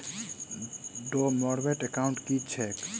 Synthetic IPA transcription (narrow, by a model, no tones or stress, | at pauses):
ɖomɔɽbeʈekaʊɳʈkit͡ʃʰɛk